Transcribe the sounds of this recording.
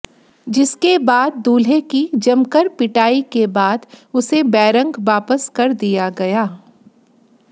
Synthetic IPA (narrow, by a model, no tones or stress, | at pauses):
d͡ʒɪskebaːd̪̚ːuːlɦekid͡ʒɐmkəɾpɪʈaːikebaːd̪ʊsebɛːɾə̃ŋɡʋaːpəskɐɾd̪ijaɡɐjaː